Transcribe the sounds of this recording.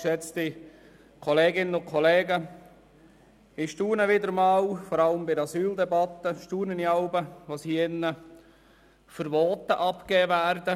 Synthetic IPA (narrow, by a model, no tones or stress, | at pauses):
ʃɛt͡sti | kʰɔleːɡɪnənʊnkʰɔleːɡə | ɪʃtuːnəʋɪd̪əɾmɑːwfɔɾɑləmbɪdɑsyːld̪ɛbɑt̪ːəʃtuːnəniɑʊbəʋoːsiːɪnːə | fəɾʋɔːt̪əʔɑpkɛːʋæːɾdə